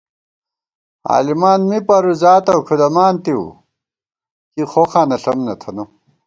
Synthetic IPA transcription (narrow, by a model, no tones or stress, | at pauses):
a̰ːlimaːnmipɐɾuzaːt̪ɐwkʰud̪ɐmaːnt̪iwṵ | kixoxaːnɐɬɐmnɐt̪ʰɐnu